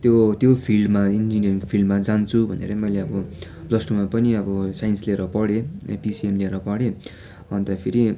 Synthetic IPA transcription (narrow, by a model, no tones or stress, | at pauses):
t̪jot̪jopʰilmaind͡ziniʌrŋpʰilmad͡zant͡sʰubʱʌnḛɾʌmʌjleʌbʌ | lʌsʈumapʌniʌbʌsajʌnsleɾʌpʌɽepisiemleɾʌpʌɽe | ɦʌnt̪ʌpʰiɾi